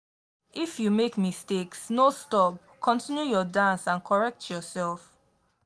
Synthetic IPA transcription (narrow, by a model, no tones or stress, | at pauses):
ifjumekmisteksnostɔp̚ | kʰɔ̃ntĩnjujɔdãnsãnkʰɔɹɛk̚tʰjɔsɛlˠf